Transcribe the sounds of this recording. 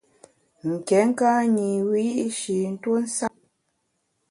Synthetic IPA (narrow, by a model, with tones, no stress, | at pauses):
ŋ̩˨kɛ˨˦ŋ̩˦kaː˦ɲi˨wi˦ʔʃi˨n̩˦two˦n̩˦sa˦p̚